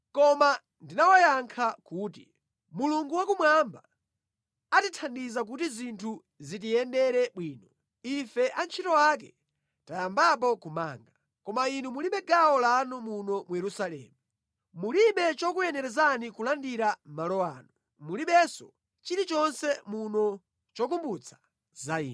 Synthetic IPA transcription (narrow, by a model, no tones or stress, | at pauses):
kɔma | ndinawajaŋkʰakuːtḭ | muluŋɡuwakumwamba | atitʰandizak̬utizintʰu | zit̬ijɛndɛɾɛɓwiːnɔ | ifɛʔant͡ʃʰitɔwak̬ɛ̰ | tajambap̬ɔkuma̰ːŋɡa | kɔmainumuliɓɛɡawɔlanumunɔmujɛɾusalɛ̰ːmu | muliɓɛt͡ʃɔkujɛnɛɾɛzanikulandiɾam̩malɔa̰ːnɔ | muliɓɛsɔ | t͡ʃiɾit͡ʃɔnsɛmunɔ | t͡ʃɔk̬umbut͡sʰḁ | zaiːn